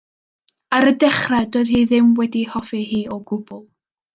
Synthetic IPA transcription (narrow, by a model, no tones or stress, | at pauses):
aɾədɛχrɛdoːɨð̥hiːðɪmwɛdihɔfiɦiːɔɡʊb̥ʊlˠ